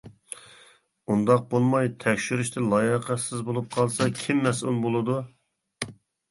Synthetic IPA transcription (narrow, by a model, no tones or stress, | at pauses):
und̪ɑq̚bolˠmɑjt̪ʰɛkʲʃyɾyʃt̪ʰɪlˠɑjəqæsɪzbolˠup̚qʰɑlˠsɑkʲʰimːɛsulˠbolˠɨd̪u